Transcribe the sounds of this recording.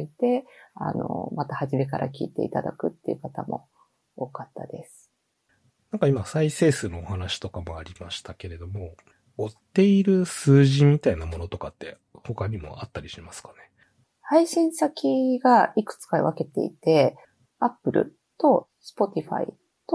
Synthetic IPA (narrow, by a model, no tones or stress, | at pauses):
it̪e̞a̰no̞̰mat̪ahaʑime̞kaɾʔakʲḭːt̪e̞̰it̪ad̪a̰kɯ̟t̪ːeiɯ̟kat̪amo̞̰ | oːkat̪ːad̪e̞sɨ̥ | nãŋkaimasaise̞ːsɨno̞ːhanaɕi̥t̪o̞kamoaɾʲimaɕi̥t̪ake̞ɾe̞d̪o̞mo̞ | ot̪ːe̞iɾɯ̟sɨːʑimʲit̪ainamo̞no̞t̪o̞kat̪ːe̞̰ | ho̞kaɲ̟imo̞̰at̪ːaɾʲiɕimasɨ̥kḁne̞ | haiɕĩɰ̃sakʲiɡaikɯ̟̥t͡sɨ̥kaβake̞t̪e̞̰it̪e̞ | apːɯ̟ɾɯ̟̰ | t̪o̞ | sɨ̥po̞t̪ʲiɸa̰ḭ | t̪o